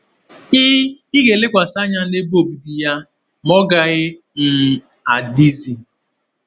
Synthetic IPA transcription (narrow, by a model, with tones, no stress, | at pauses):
ɪ˦i˦ɡe˨lɪ˦kʷa˨sa˦ɲa˦ne˦bo˦˨bi˨bi˨ja˦ | mɔ˦ɡa˨ɣɪ˦ | n̩˨ | a˨di˦zi˨